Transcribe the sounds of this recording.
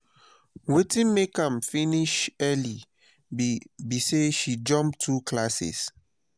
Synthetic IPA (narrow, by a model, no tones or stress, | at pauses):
wetĩnmekãmfiniʃɛli | biseʃid͡ʒɔ̃mp̚tʰːukʰlasɛ̰s